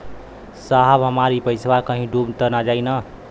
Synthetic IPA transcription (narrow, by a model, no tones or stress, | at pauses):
saɦəbɦəmaɾipəjswaɾkəɦĩɖubt̪ənad͡ʒaɪnə